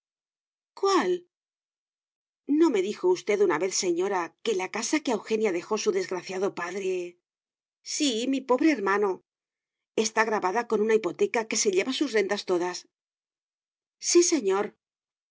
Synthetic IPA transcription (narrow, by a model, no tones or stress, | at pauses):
kwal | no̞me̞ðixo̞ust̪e̞ðunaβe̞θse̞ɲo̞ɾake̞lakasakeawxe̞njaðe̞xo̞suðe̞zɣɾaθjaðo̞paðɾe̞ | simipo̞βɾe̞ːɾmãno̞ | e̞st̪aɣɾaβaðako̞nunaipo̞t̪e̞kake̞se̞ʎe̞βasusre̞nd̪ast̪o̞ðas | sise̞ɲo̞ɾ